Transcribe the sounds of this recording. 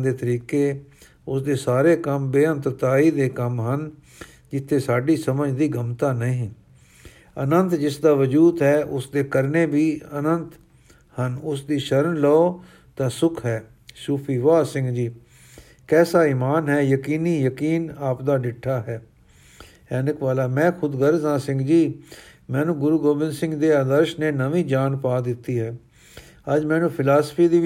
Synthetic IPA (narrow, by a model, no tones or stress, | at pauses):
d̪eːt̪əɾiːkeː | ʊsd̪eːsaːɾeːkəmbeːə̃nt̪ɾt̪aːiːd̪eːkəmɦən | d͡ʒɪt̪ʰːeːsaːɖiːsəməd͡ʒd̪iːɡəmt̪aːnəɦĩː | ənənt̪d͡ʒɪsd̪aːʋəd͡ʒuːd̪ɦɛːʔʊsd̪eːkəɾneːbiːənənt̪ | hənʊsd̪iːʃəɾənlɔoː | t̪ãːsʊkʰɦɛː | suːpʰiːʋaːsɪ̃ŋɡd͡ʒiː | kɛːsaːiːmaːnɦɛːjəkiːniːjəkiːnaːpd̪aːɖɪʈʰːaːɦɛː | ɛːnɪkʋaːlaːmɛ̃ːkʰʊd̪ɡəɾzãːsɪ̃ŋɡd͡ʒiː | mɛ̃ːnũːɡʊɾuːɡoːbɪ̃nsɪ̃ŋɡd̪eːaːd̪əɾʃneːnəʋĩːd͡ʒaːnpaːd̪ɪt̪ːiːɦɛː | əd͡ʒmɛːnũːpʰɪlaːsə̥pʰiːd̪iː